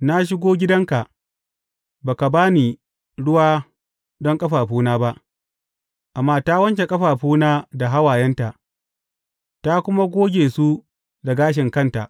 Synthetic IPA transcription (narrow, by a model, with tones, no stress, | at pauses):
na˦ʃ̬ɪ˦ɡʷoː˦ɡʲɪ˦dɐ˦ŋka˨ʔ | baː˨ka˨baː˦niː˨ | ɽʊ˦waː˦ | dɔ˦ŋkʼɐ˦ɸaː˨ɸuː˦naː˦ba˦ʔ | ʔa˨mːaː˦ta˦wɐ˦nt͡ʃe˨kʼɐ˦ɸaː˨ɸuː˦naː˦da˨ɦa˦waː˨jɛ˦nta˨ʔ | ta˦kʷʊ˦ma˦ɡʷoː˦ɡʲeː˨su˦ | da˨ɡaː˦ʃ̬ɪ˨ŋkɐ˦nta̰˨ʔ